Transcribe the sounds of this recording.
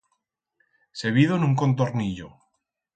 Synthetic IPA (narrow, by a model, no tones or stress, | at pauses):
seβiðonuŋkont̪̬oɾniʎo